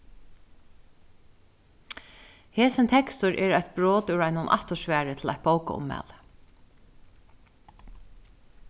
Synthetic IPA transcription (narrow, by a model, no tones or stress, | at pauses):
heːsɪnt̪ʰɛkst̪ʊɹʔɛːɾajt̪̚bɹoːt̪ʊɾaɪjnʊnʔa̰ht̪ʊʃʋæːɹɪt̪ʰɪla̰ht̪̚bowka̰ʊ̰mːɛ̰ːl